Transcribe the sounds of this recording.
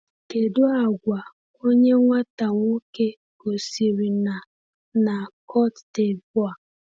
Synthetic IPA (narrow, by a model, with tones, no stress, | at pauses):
ke˨dʊ˦a˨ɡʷa˨ | o˦ɲe˦ŋʷa˦ta˨ŋʷo˦ke˦ | ko˨si˨ɾi˨na˨ | na˨kʰɔ˦tte˨bʊ˦a˨